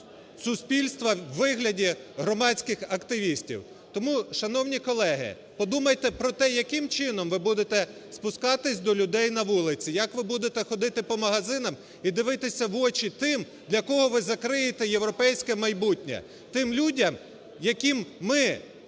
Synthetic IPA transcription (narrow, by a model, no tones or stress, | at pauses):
sʊspʲilʲst̪ʋɐwːɪɦlʲɐdʲiɦɾɔmɑt͡sʲkɪxɐkt̪ɪʋʲisʲtʲḭw | t̪ɔmuʃɐnɔwnʲikɔlˠɛɦɪ̰ | pɔd̪umɐjt̪ɛpɾɔt̪ɛjɐkɪmt͡ʃɪnɔmʋɪbud̪et̪ɛspʊskɑt̪ɪsʲd̪ɔlʲʊd̪ɛjnɐʋulˠɪt͡sʲijɐkʋɪbud̪et̪ɛxɔd̪ɪt̪ɪpɔmɐɦɐzɪnɐm | id̪ɪʋɪt̪ɪsʲɐʋɔt͡ʃʲit̪ɪm | d̪lʲɐkɔɦɔʋɪzɐkɾɪjet̪ɛjewɾɔpɛjsʲkɛmɐjbutʲnʲɛ̰ | t̪ɪmlʲudʲɐm | jɐkʲimːɪ